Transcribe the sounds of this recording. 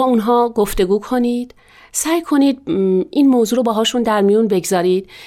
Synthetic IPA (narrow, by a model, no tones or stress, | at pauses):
unɦɒːɡo̞ft̪e̞ɡuːkʰo̞niːd̪̥ | sæːjkʰo̞niːd̪̚ʔinmoːzuːɾo̞bɒɦɒːʃund̪æɾmijunbe̞ɡzɒːɾiːd̪̥